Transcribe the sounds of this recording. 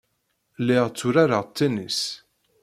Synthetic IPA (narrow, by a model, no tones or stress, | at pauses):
lːɪʁt͡sːʊɾaɾaʁt̪ːinis